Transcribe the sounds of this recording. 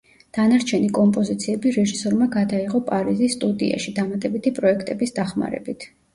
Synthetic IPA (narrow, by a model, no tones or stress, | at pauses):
d̪̥anaɾt͡ʃʰɛnikʼɔmpʼɔzit̪sʰiɛbiɾɛʒisɔɾmaɡad̪aiʁɔpʼaɾizisːt̪ʼud̪ḭa̰ʃid̪amat̪ʼɛbit̪ʰipʼɾɔɛkʰt̪ʼɛbisd̪aχma̰ɾɛ̰bit̪ʰ